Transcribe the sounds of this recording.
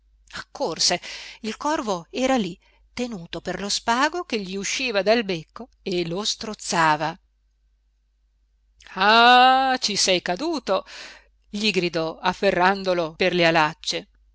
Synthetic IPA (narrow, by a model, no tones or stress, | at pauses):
akʰːorseilkɔrvoɛːɾali | t̪enuːt̪operlospaːɡok̟eʎːiuʃːiːvad̪albekːo | elost̪ɾot̪sːaːva | at͡ʃisɛjkad̪uːt̪o | ʎiɡɾid̪ɔafːerːand̪oloperlealat͡ʃːe